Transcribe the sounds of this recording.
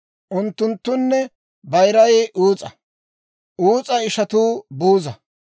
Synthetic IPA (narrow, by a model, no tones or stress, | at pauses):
ʔʊnt̪ːʊnt̪ːʊnːɛ | bɐjɾɐjʔuːt͡sʼɐ | ʔuːt͡sʼɐɪʃɐt̪uːbuːzɐ